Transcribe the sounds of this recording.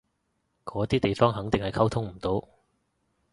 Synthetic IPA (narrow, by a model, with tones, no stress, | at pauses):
kɔː˨˥t̪iː˥t̪e˨jfɔː˥ŋɦɐ˨˥ŋt̪ɪ˨ŋhɐ˨jkʰɐ˥wt̪ʰʊ˥ŋm̩˨˩t̪o˨˥w